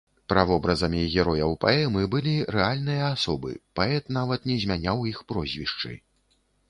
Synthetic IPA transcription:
pɾavɔbɾɐzɐmʲiɣʲɛɾɔjɐwpa̰ɛmɨbɨlʲiɾɛalʲnɨjɐasɔbɨ̰paɛt̪navɐt̪nʲɛzʲmʲanʲawixpɾɔzʲvʲiʂt͡ʂɨ̰j

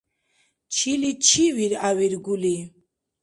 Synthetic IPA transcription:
t͡ʃʰilit͡ʃʰiviɾawiɾɡuli

